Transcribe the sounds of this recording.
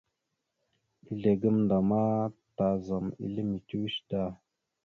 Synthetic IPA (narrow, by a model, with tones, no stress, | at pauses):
i˦ɮe˨ɡə˦mnda˨ma˦ta˨za˨mḭ˦lə˦mi˨ti˦wi˦ʃta˦˨